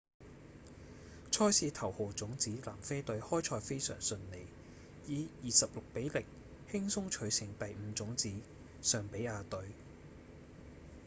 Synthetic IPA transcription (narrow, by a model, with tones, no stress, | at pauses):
t͡ʃʰɔː˥jsiː˧t̪ʰɐ˨˩who˨wt͡sʊ˨˥ŋt͡siː˨˥la̰ː˨˩mfe˥jt̪ɵ˨˥ɥhɔː˥jt͡ʃʰɔː˧jfe˥jsœ̰ː˨˩ŋsɵ˧nne˨˩j | jiː˨˧jiː˨sɐ˨p̚lʊ˨k̚pe˨˥jlɪ˨k̚ | hɪ˥ŋsʊ˥ŋt͡ʃʰɵ˨˥ɥsɪ˨˩ŋt̪ɐ˨jm̩ː˨˧t͡sʊ˨˥ŋt͡siː˨˥ | sœː˨ŋpe˨˥jaː˧t̪ɵ˨˥ɥ